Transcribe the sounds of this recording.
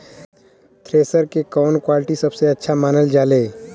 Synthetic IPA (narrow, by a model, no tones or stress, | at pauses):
t̪ʰɾeːsəɾkekɔːnkwaːlɪʈisɐbseɐtːʃʰamaːnəld͡ʒaːleː